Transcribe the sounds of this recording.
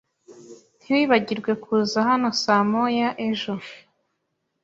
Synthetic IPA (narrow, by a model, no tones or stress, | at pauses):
n̥hiwiβaɟiɾɡwe̞kʰuzahano̞samojaʔe̞ʒo̞